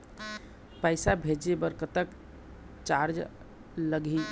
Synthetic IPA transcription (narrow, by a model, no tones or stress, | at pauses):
pəɪsabʱed͡ʒebəɾkət̪ək | t͡ʃaɾd͡ʒ | ləɡi